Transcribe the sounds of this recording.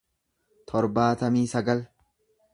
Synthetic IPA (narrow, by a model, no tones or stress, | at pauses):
t̪ʰɔɾbaːt̪ɐmiːsɐɡɐl